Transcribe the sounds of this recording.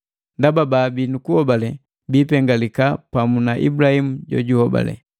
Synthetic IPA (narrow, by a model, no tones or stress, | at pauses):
ndabababinukuhɔbalɛ | biːpɛŋɡalikapamunaʔḭbulahimuɟɔ̰ɟuhɔba̰lɛ̰